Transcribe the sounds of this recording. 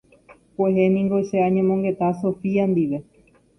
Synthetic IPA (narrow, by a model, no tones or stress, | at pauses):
pweɦenĩŋɡoʃeaɲẽmõŋɡe̞t̪aso̞fiand̪iʋe̞